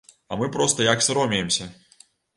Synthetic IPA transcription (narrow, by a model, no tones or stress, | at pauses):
ɐ̰mɨpɾɔst̪ɐjaksʲɾɔmʲijɛmsʲɐ